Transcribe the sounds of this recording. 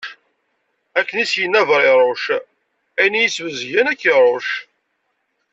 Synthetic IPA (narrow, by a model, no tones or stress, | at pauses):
ækːənisjənːævɾˤɪɾˤoʃ | æjnijət͡sːvəzʝænækːiɾˤoʃ